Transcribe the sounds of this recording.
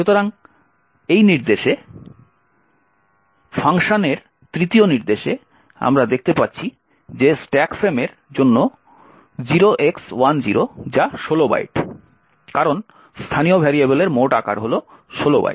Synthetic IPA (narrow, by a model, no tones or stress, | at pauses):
ʃut̪oɾaŋ | ejniɾd̪eʃe | fʰaŋʃoneɾ | t̪ɾit̪ioniɾd̪eʃe | a̰mɾad̪ek̚ʰt̪epatːɕʰi | d͡ʑesʈɛkfɾemeɾ | d͡ʑonːo | d͡ʑiɾoʔekswand͡ʑiɾod͡ʑaʃoloba̰jʈ | kaɾon | st̪ʰaniobʱɛɾiabeleɾmoʈaka̰ɾɦolo | ʃoloba̰ji